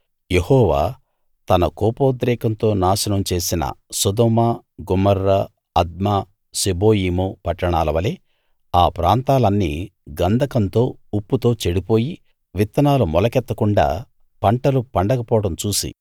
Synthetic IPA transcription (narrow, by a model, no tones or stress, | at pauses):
jehɔːʋa̰ː | t̪ɐnɐkɔːpoːd̪ɾɛːkɐnt̪o̞ːnaːʃɐnɐmt͡ʃe̞ːsinɐ̰sud̪omɐ | ɡumɐɾːɐ | ɐd̪̚ma | sibo̞ːjiːmupɐʈːɐɳaːlɐʋɐle | aːpɾaːnt̪aːlɐnːḭːɡɐnd̪ʱɐkɐnt̪o̞ːupːut̪o̞ːt͡ʃeɽipo̞ːji | ʋit̪ːɐnaːlumɔlɐkɛt̪ːɐkuɳɖa̰ː | pɐɳʈɐlupɐɳɖɐkɐpɔːɐɽɐmt͡ʃuːsḭ